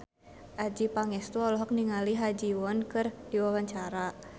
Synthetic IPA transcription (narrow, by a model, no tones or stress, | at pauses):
ʔad͡ʒipaŋɛst̪uɔlɔɦɔk̚niŋaliɦad͡ʒiwɔnkɨrdiwawaɲt͡ʃaɾa